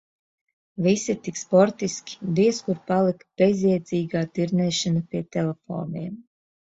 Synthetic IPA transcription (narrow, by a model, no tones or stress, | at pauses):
visit̪ikspɔɾt̪iskʲi̥b̪iɛskuɾpalˠikb̥ezʲiɛd̪ziːɡaːt̪iɾnʲɛːʃanɐpʲiɛt̪ɛlɛfo̰ːniɛm